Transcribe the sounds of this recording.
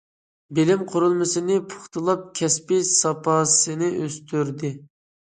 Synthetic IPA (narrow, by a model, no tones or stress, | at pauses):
bɪlɪmqʰoɾulˠmɨsɨnɪpʰʊ̥χt̪ɨlˠɑp̚kʲʰɛspɪsɑpʰɑsɨnɪʔøst̪ʰyɾd̪ɪ